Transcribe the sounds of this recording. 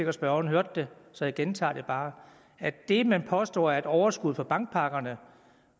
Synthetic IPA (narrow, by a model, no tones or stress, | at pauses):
e̝ɡ̥ɐ̥sb̥ɶɐn̩ɦøɐ̰d̥ːe̝sɒ̽jaɡ̥ent͡sʰɑ̰̈ːd̥e̝b̥ɑ̈ː | æd̥e̝mænpʰɒ̽sd̥ɒ̰ːæɐe̝d̥ɒʊɐsɡ̥uð̞̰ˠfɒ̽b̥ɑ̈ŋɡ̥̚pʰɑ̈ɡ̥ɐnə